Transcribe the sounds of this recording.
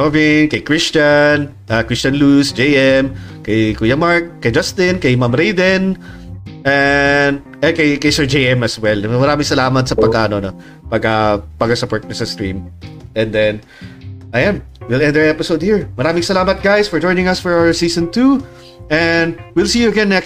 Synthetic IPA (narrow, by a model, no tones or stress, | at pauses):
novɪnkɐjkɹɪst͡ʃɐn | ʔakɹɪst͡ʃɐnlusd͡ʒejʔɛmkɐjkujɐmaɹkːɐjd͡ʒast̪ɪnkɐjmamɾejd̪ɛn | ʔɛnd̪ | ɛkɐjkɐjsɛɹd͡ʒejɛmɐswɛlmɐɾaːmɪŋsɐlaːmɐt̪̚sɐpɐɡ̚kɐɐnono | pɐɡ̚kːɐpɐɡkɐsɐpɔɹt̪̚nɐsɐst̪ɹḭ̃mʔɛ̃nd̪ɛn | ʔɐjanwilɛ̃nd̪ɛɹɛpɪsowd̪̚hiɹmɐɾaːmɪŋsɐlaːmɐt̪̚ɡ̥ajsfɔɹd͡ʒɔjnɪ̃ŋɐsfɔɹawə˞siːsɔ̃nt̪u | ʔɛnd̪wilˠsiːjuɐɡɛ̃nːɛk